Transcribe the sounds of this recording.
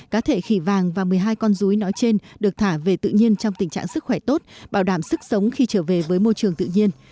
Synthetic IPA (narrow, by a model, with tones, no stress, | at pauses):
kaː˨˦t̪ʰe˧˩xi˧˩vaː˨˩ŋvaː˨˩mɨ˨˩əjɦaː˧jkɔ˧nzu˨˦jnɔ˨˦jt͡ɕe˧nɗɨ˨˩ək̚t̪ʰaː˧˩ve˨˩t̪ɨ̰˧˨ɲi˧ənt͡ɕɔ˧wŋ͡mt̪ï˨˩ŋ̟t͡ɕa̰ː˧˨ŋsɨ˦˥k̚xwɛ˧˩t̪o˦˥t̚ɓaː˧˩wɗaː˧˩msɨ˦˥k̚sə˨˦wŋ͡mxi˧t͡ɕəː˧˩ve˨˩vəː˨˦jmo˧jt͡ɕɨ˨˩əŋt̪ɨ̰˧˨ɲi˧ən